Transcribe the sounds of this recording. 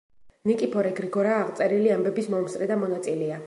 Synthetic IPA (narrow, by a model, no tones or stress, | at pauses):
nikʼipʰɔɾɛɡɾiɡɔɾaːʁt̪sʼɛɾiliambɛbismɔmst̪ʼɾɛd̪amɔnat̪sʼilɛa